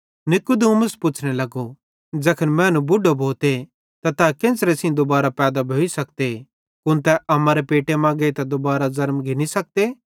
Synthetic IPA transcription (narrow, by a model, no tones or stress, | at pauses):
nɪkud̪ũmʊspʊt͡ʃʰnelɐɡo | d͡ʒɛːkʰənmɛ̃ːnũbʊɖʱːobʱoːt̪e | t̪at̪akẽnsɾesĩd̪ʊbaːɾapɛːd̪abʱoːisɐk̚t̪e | kʊ̃nt̪ɛʔɐmãːɾepeːʈemãːɡet̪ad̪ʊbaːɾazɐɾmɡʱɪnisɐk̚t̪e